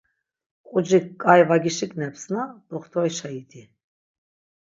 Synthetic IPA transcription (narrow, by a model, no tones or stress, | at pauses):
qʼud͡ʒikkʼajvaɡiʃiknɛpsnad̪ʼɔχt̪ʰɔjʃajit̪ʰʼi